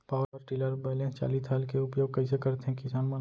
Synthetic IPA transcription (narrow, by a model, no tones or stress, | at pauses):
paːwɾɔɾʈiːləɾbɛlẽt͡ʃa̰ːlit̪ʰaːlkeʊpjoːɡ̚kɐɪs̬ekɐɾt̪eɦɛ̃kɪsaːnman